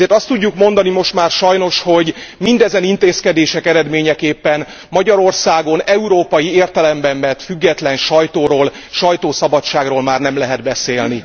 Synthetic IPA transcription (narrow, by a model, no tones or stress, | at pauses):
eːrt̪ɒst̪ːuɟːukmo̞nd̪ɒnimo̞ʃt̪maːrʃɒjno̞ʃho̞ɟmind̪ɛzɛnint̪eːskɛd̪eːʃɛkɛɾɛd̪meːɲɛkeːpːɛn | mɒɟɒɾo̞rsaːɡo̞nɛuɾoːpɒjieːrt̪ɛlɛmbɛmːɛt̪fyɡːɛt̪lɛnʃɒjt̪oːɾoːl | ʃɒjt̪oːsɒbɒt͡ʃːaːɡroːlmaːrnɛmlɛɦɛd̪bɛseːlni